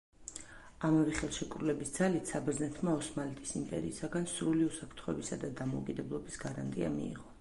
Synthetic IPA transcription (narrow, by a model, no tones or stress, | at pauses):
amɛvɛχɛlˠʃɛkʼɾulɛbisd̪zalit̪ʰsabɾznɛt̪ʰmaɔsmalɛt̪ʼisimpʼɛ̰ɾḭːsaɡansɾuliusapʰɾt̪χɔɛbisad̪ad̪amɔukʼid̪ɛblˠɔbisɡaɾa̰nt̪ʼia̰mḭḭʁɔ